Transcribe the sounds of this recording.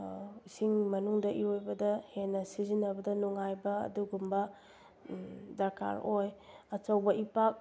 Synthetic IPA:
isiŋmɐnuŋdɐʔiojbɐdɐhenːɐsizinːɐbɐdɐnuŋajbɐɐ̰duɡumbɐ | dɐɾkʰa̰ɾojɐt͡ʃɐwbɐʔipak̚

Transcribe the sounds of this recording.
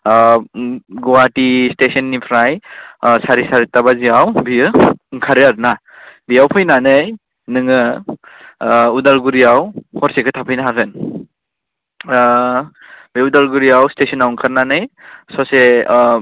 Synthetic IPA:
ɡɔwatistesɔnːipʰɾajsaɾisaɾitabaziawbiɯŋkʰaɾɯaɾna | bijawpʰɯjnanɯj | nɯŋɯ | udalɡuɾijawhɔɾsekʰɯtʰapʰɯjnaɦakɯn | biudalɡuɾijawstesɔnawŋkʰaɾnanɯjsɔse

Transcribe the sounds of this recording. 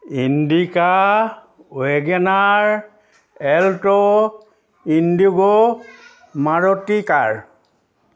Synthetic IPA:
indika | wɛɡɛnaɹ | ɛltɔ | induɡɔ | maɹɔtːikaɹ

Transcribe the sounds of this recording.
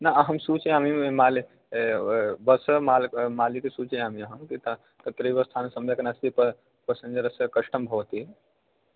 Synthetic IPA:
naɦəmsut͡ʃeamiemali | bəsəmalmalikesut͡ʃeɦamiəɦəmk̪it̪ə | t̪ət̪ɾibəst̪ʰansəmd͡ʒʱakenast̪ipə | pəsə̃nd͡ʒəɾəskəʃʈəmbʱot̪i

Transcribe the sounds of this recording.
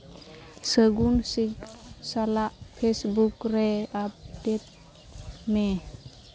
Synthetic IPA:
səɡunsiksalaʔpʰesbukɾeap̚det̪̚ | me

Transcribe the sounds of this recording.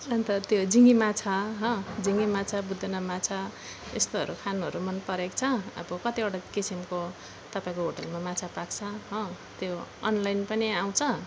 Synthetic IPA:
rʌnt̪ʌt̪jod͡ziŋimat͡sʰaɦʌ̃d͡ziŋɡimat͡sʰabud̪ʱenamat͡sʰa | ḛst̪oʌ̰ɾukʰanuɦʌɾumʌnpʌɾekt͡sʰʌʌ̰bʌkʌt̪ioʈakisimko | t̪ʌpãĩkoɦoʈʌlmamat͡sʰapakt͡sʰʌɦʌ̃ | t̪joʌnlajnpʌniaw̃t͡sʰʌ

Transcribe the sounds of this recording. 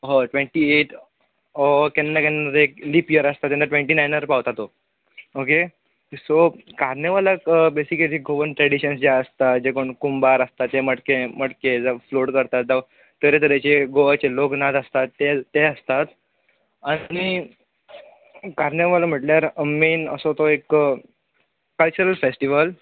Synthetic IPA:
ɦɔʈʋẽɳʈieʈ | ɔkenːakenːəɾekliːpjəɾəst̪at̪jenːəʈʋẽɳʈiːnajnəɾpaʋt̪at̪o | oke | sokaɾnəʋalakbesikəliɡoʋənʈɾɛɽiɕənsd͡ʑaəst̪at̪d͡ʑekoɳkumbaɾəst̪at̪eməʈkeməʈked͡zəfloɽkəɾt̪at̪̚da | t̪ːəɾet̪əɾet͡ɕeɡoʋat͡ɕeloknat̪əst̪at̪ːeːeəst̪at̪ | añi | kaɾneʋalam̤əʈljaɾəmːinə̰sot̪oek | kəlt͡ɕuɾəlfesʈiʋəl

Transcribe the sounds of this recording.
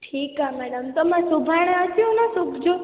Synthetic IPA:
ʈʰiːkamɛɽəmt̪əmãsubʱaɽ̃əʃiũnãsukʰd͡ʒo

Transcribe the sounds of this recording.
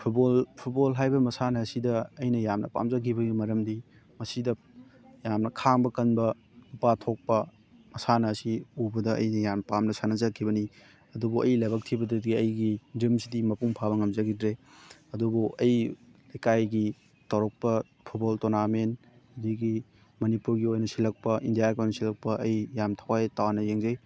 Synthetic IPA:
pʰubolpʰut̚bolɦajbɐmɐsanɐːsidɐːjnɐjamnɐpa̰mzɐkʰibɐɡimɐɾɐmdi | mɐsidɐ | jamnɐkʰaŋbɐkɐnbɐ | nupatʰok̚pɐ | mɐsanɐːsiubɐdɐɐ̰jnɐjamnɐpamnɐsanɐzɐkʰibɐni | ɐdubuʔɐ̰jlaɐbɐk̚tʰibɐdɐdiɡiɐjɡidimsidimɐpuŋpʰabɐŋɐmzɐɡidɾeɐdubuʔɐjlɐjkajɡi | tɐwɾɔk̚pɐ | pʰut̚boltonaɾmen | hudiɡi | mɐnipuɾɡiojnɐsilɐk̚pɐʔindijaɾkojnɐsilɐk̚pɐʔɐjːamtʰɐwajtawanɐjeŋzɐj

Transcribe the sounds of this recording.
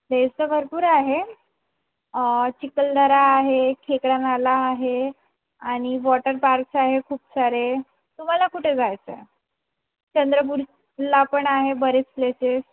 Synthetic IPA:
d̪estəbʱəɾpuːɾaɦe | t͡ɕikəld̪ʱəɾaːɦekʰekɽanalaːɦe | aɽ̃iʋɔʈəɾpaɾksaɦekʰuːpsaɾe | t̪um̤alakuʈʰed͡zajt͡sə | t͡ɕənd̪ɾəp̬uɾ | lapəɳaɦebəɾet͡spleses

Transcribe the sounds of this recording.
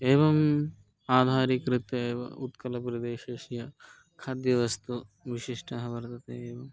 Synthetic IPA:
eːʋɐm | aːd̪ʱaːɾikɾɪt̪ɐeːʋɐ̰ut̪kɐlɐp̬ɾɐd̪eːʃeːʃjɐ | kʰaːd̪jɐʋɐst̪uʋiʃiʂʈʰɐɦɐʋɐɾt̪ɐt̪eːeːʋɐm

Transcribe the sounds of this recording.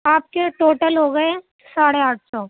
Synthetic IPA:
aːp̚keʈoːʈəlɦoɡɐe | saːɽeaːʈʰsɔː

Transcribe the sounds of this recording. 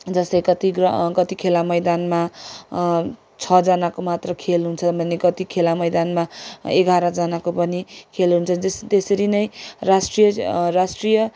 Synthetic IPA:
d͡zʌst̪ʌjkʌt̪iɡʌkʌt̪ikʰelamʌjd̪anma | t͡sʰʌd͡zʌnakomat̪rʌkʰelɦunt͡sʰʌbʱʌnekʌt̪ikʰelamʌjd̪anmaeɡʱaɾʌd͡zʌnakopʌnikʰelɦunt͡sʰʌst̪esʌɾinʌjrasʈrijʌrasʈrijʌ

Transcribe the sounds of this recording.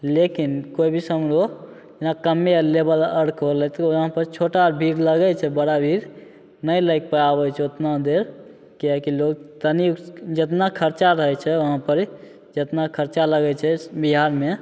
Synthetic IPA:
lekinkoibʱisəmɾo | nakəmːelebələɽkʰɦolɛt̪ɦãpəɾt͡ʃʰoʈabʱiɾləɡɛt͡ʃʰɛbəɽabʱiɾ | nəjləɪk̚pəabɛt͡ʃʰɛot̪nad̪eɾ | keɦkiloɡt̪ənid͡ʒət̪nakʰəɾt͡ʃaɾəɦɛt͡ʃʰɛəɦãpəɾ | d͡ʒət̪nakʰəɾt͡ʃaləɡɛt͡ʃʰɛbiɦaɾme

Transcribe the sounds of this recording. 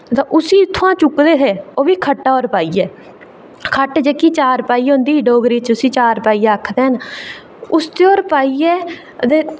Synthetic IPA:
t̪ãːʔʊsiːɪt̪ʰːoãːt͡ʃʊkd̪eːt̪ʰeːoːbiːkʰəʈːaːoːɾpaːiːɛː | kʰəʈd͡ʒeːkiːt͡ʃaːɾpaːiːɦõnd̪iːɖoːɡɾiːt͡ʃʊsĩːt͡ʃaːɾpaːiːaːkʰd̪eːɦn | ʊst̪eːoːɾpaːiːɛː | d̪eː

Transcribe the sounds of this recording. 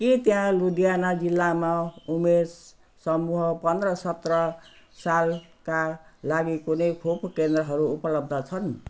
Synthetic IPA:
kit̪jãlud̪ijanad͡zilːamaumes | sʌmuɦʌpʌnd̪rʌsʌt̪rʌ | sal | kalaɡikunʌjkʰopʰkend̪rʌɦʌɾuːpʌlʌb̚d̪ʱʌt͡sʰʌn

